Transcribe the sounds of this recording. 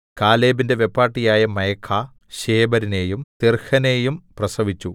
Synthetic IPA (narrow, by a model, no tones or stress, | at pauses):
kaːleːbinde̞ʋe̞pːaːʈːijaːjɐmɐjɐkʰːaː | ɕeːbɐɾine̞ːjumt̪irhɐneːjumprɐsɐʋit͡ɕːu